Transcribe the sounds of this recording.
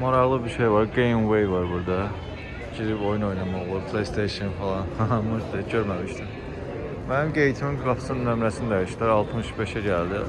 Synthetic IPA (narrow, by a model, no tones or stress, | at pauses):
moɾɑʁlˠɯbiɾʃejvɑɾɡejmwe̞jvɑɾbuɾd̪ɑ | ɟiɾipo̞juno̞jnɑmɑo̞lˠubpʰlˠejst̪ʰejʃinfelˠɑnfɑlˠɑmɯʃd̪eɟøɾmæmiʃt̪ʰim | mænimɟe̞jit̪ʰimimɡɾɑfsɯnnømɾæsinid̪æjiʃt̪æɾɑlˠt̪ʰɯmɯʃbe̞ʃæɟæld̪i